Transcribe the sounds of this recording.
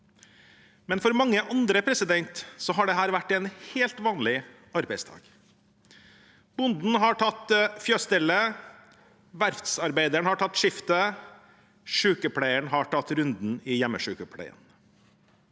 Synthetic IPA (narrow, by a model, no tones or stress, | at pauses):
mɛnfɔɾmɑŋːəʔɑnd̪ɾəpʰɾɛsɪd̪ɛnt̪sɔɦɑːɖɛɦæːɾʋæʈːɛnheːlt̪ʋɑːnlɪ | ɑɾbæɪst̪ʰɑ̰ːɡ̥ | b̥ʊnd̪n̩ɦɑʈʰɑt̪fjøːst̪ɪlə | ʋæɾft̪sɑɾbæɪd̪əɳhɑʈʰɑt̪ːʂɪft̪ə | ʂʉːkəpʰɽæɪəɳhɑʈʰɑt̪ːɾʉnd̪n̩ɪjɛmːəʂʉːkəpʰɽæ̰ɪə̰n